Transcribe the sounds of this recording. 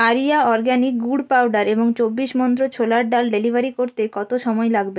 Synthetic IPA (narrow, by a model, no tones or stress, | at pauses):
aɾijaɔɾɡanik̚ɡuɖpawɖaɾeboŋt͡ɕobːiʃmɔnt̪ɾot͡ɕʰolaɾɖalɖelibʱaɾikoɾt̪ekɔt̪oʃɔmɔelaɡbe